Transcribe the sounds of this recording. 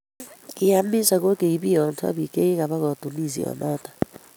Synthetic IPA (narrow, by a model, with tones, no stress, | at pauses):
ki˦ja˦mi˦sa˨ɣo˦ke˨i˨βi˦jɔ˨n˦sa̰˦βi˨ke˦e˦ɣa˨βa˦ɣɔ˨tu˨ni˦˨zḭ˨ɔ̰˨nɔ˦tḁ˨